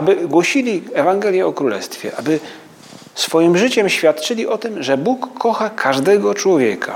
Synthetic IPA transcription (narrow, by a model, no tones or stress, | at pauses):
abɘɡwɔɕilʲiɛvaŋɡɛlʲjɛɔkɾulɛ̰st̪fʲjɛ̰ʔabɘ | sfɔjimʐɘt͡ɕɛmɕfʲjat̪t͡ʂɘlʲiʔɔt̪ɘmʐɛbukʰːɔxakʰaʐd̪ɛɡɔt͡ʂwɔvʲjɛka̰